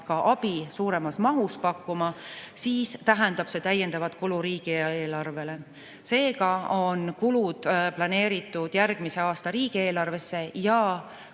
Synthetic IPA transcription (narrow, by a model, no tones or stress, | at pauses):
kɑʔɑb̥isuːɾe̞mɑsmɑɦuspɑkːumɑsiːst̪æɦend̪ɑb̥se̞t̪æjːe̞nd̪̥ɑvɑt̪ˑkuluɾiːɡ̥ieeːlɑrve̞le̞ | se̞ːɡɑonkulud̪̥plɑne̞ːɾit̪ːˑud̪̥jærɡ̥mise̞ɑːst̪ɑɾiːɡ̥ie̞ːlɑrve̞sːe̞jɑ